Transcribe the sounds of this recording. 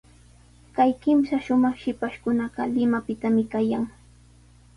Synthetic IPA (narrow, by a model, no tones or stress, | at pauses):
kajkɪmsaʃʊmɑχʃɪpaʃkʊnɑɢɑlɪmapɪt̪amɪkajaŋ